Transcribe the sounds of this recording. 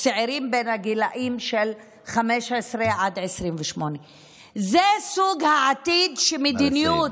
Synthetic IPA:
seʕiɾimbenhaɡilaʔimʃel | χameʃʕesʁeʕad̪ʕesʁimveʃmone | zesuɡhaʕat̪id̪ʃemed̪inijut̪

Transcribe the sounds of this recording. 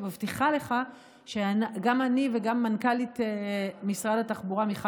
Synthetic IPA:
mavt̪iχale̞χa | ʃeanaɡamaniveɡamːankalitemisʁadataχbuʁamiχa

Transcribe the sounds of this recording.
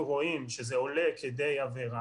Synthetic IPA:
ʁo̞imʃezeo̞le̞ked̪e̞javeʁa

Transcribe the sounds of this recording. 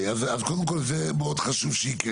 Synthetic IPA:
azazkod̪əmkolzemeod̪χaʃuvʃəik

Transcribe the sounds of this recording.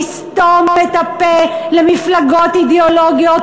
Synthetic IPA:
st̪omːet̪apelemiflaɡot̪id̪eoloɡijot

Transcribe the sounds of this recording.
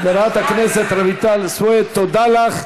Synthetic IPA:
d̪eɾaat̪akneset̪ɾavit̪alswoet̪ːod̪alaχ

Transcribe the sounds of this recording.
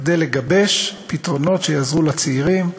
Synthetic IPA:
d̪ejleɡabe̞ʃpitʁo̞no̞tʃejazʁulat͡seiʁim

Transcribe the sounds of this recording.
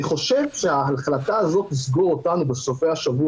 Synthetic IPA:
iχo̞ʃe̞vʃeaaχlataːzo̞t̪lisɡo̞ʁo̞tanube̞so̞fejaʃavu

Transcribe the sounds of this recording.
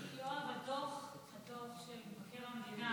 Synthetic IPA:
joabetoχ | hat̪ovʃelbakeʁamd̪ina

